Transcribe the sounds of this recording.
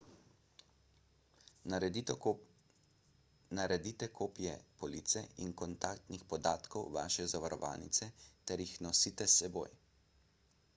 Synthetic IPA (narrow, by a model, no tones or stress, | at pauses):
naɾɛd̪it̪ɛkʰoːpjɛpɔliːt̪sɛinkɔnt̪aːkt̪nixpɔd̪aːt̪kɔwʋa̰ːʃɛzaʋaɾɔ̰ʋa̰ːnit̪sɛt̪ɛɾjixnɔsiːt̪ɛsːɛbo̰ːj